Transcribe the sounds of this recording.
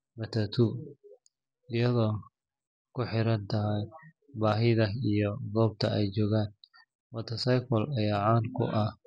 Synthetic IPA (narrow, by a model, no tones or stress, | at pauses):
mɐt̪ʰɐt̪ʰuː | ɪjɐðɔː | kʰʊħɪɾɐnt̪ʰɐɦɛj | baːɦɪðɐijɔðɔːb̚t̪ʰɐɛjt͡ʃɔːɣaːn | wɔt̪ʰɐsɐjkɔlɐjaːʕaːnkʰʊ̰ʔɐ